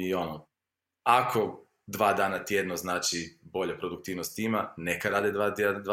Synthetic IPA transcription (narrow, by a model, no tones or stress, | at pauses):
io̞no | akʰo̞ | d̪ʋaːd̪aːnat̪jed̪noznaːt͡ʃibo̞ʎapɾo̞d̪uk̚t̪iːʋnost̪ːiːmanekaɾaːd̪ed̪ad̪